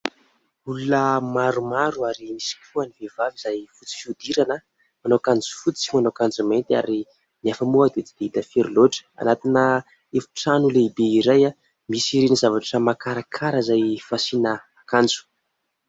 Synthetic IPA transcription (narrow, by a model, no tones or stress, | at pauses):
ulunəmaɾumaɾuaɾimisi̥kʲʰuanivevavizajfut͡si̥fiud̪iɾanə | manokand͡zu̥fut͡simanokand͡zument̪ia̰ɾi | niafəmuad̪et͡sid̪eit̪əfeɾloʈ͡ʂə̥a̰nat̪inə | efu̥ʈ͡ʂanuleibeiɾaja | misiɾinizavaʈ͡ʂəmakaɾakʰaɾəzajfasinə | kand͡zu̥